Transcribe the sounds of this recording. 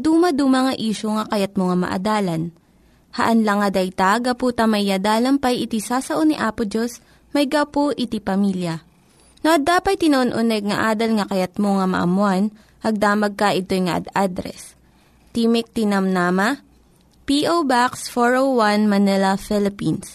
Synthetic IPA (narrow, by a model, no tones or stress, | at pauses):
d̪uːmɐd̪uːmɐŋɐʔiːʃoŋɐkɐjɐt̪̚moŋɐmɐ̰ʔɐ̰d̪aːlɐn | hɐ̰ʔɐnlɐŋːɐd̪ɐjt̪aɡɐpuːt̪ɐmɐɐd̪aːlɐmpɐjʔɪt̪isasɐʔoniʔaːpod͡ʒos | mɐjɡɐpoʔɪt̪ipɐmiljɐ | noʔɐd̪aːpɐt̪̚t̪ɪnɐʔonʔʊnɛɡ̚ŋɐʔaːd̪ɐlŋɐkɐjɐt̪̚moŋamɐ̰ʔɐ̰mʊan | ʔɐɡ̚d̪aːmɐɡ̚kɐʔɪt̪o̞jŋɐʔɐ̰d̪ad̪ɾɛ̰s | t̪iːmɪk̚t̪inɐmnaːmɐ | piʔowbaksfoɹowwanmɐnɛlɐfɪlɪpins